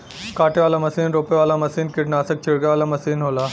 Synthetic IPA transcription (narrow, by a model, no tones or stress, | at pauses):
kaːʈeʋaːlamɐsiːnɾoːpeʋaːlamɐsiːnkɪʈnaːsək̚t͡ʃʰɪɽɡeʋaːlamɐsiːnɦoːlaː